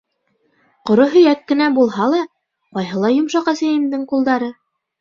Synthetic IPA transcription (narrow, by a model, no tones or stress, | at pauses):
qŏɾoɦɵ̆jækːɘ̆næbulˠɦɑlˠɑ | qɑjɦɤlˠɑjŏmʃɑqæsæjĭmd̪ɘŋqulˠd̪ɑɾɤ